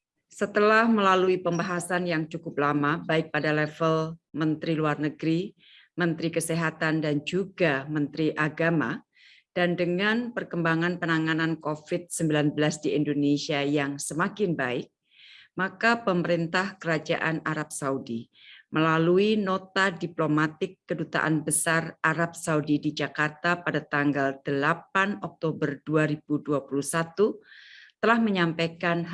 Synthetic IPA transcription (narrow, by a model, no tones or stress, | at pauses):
sət̪əlahməlaluipəmbaɦasanjaŋt͡ʃukʊp̚lamabaɪk̚padalɛfəlmənt̪ɾiluarnəɡɾi | mənt̪ɾikəsiɦat̪andand͡ʒuɡamənt̪ɾiʔaɡama | d̥andəŋanpərkəmbaŋanpənaŋanankofɪt̪̚səmbilanbəlasdiindonesiajaŋsəmakɪnbaɪk̚ | makapəməɾint̪ahkəɾad͡ʒa̰ʔanaɾap̚saudi | məlaluinot̪adiplomat̪ɪkːədut̪a̰ʔa̰nbəsarʔaɾap̚saudidid͡ʒakart̪apadat̪aŋɡald̥əlapanɔk̚t̪obərduaɾibuduapulusat̪ut̪əlahməɲampakan